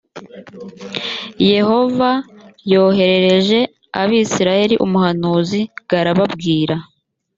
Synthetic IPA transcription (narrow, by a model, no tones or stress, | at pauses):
je̞ho̞vajo̞ːɦe̞ɾe̞ɾe̞ʒe̞ | aβiːsiɾaje̞ɾiʔumuhanuːziɡ̥aɾaβabɡiːɾa